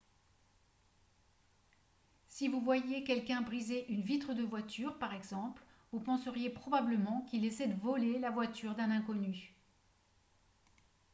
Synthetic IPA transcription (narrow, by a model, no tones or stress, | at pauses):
sivuvwajekʲɛlkʲɛ̃bʁizeʔynvit̪χəd̪əvwat̪ʰyʁpaʁɛɡzɑ̃plvupɑ̃səʁjepχɔbabləmɑ̃kʲilesɛd̪əvɔlelavwat̪yʁd̪ɛ̃nɛ̃kɔny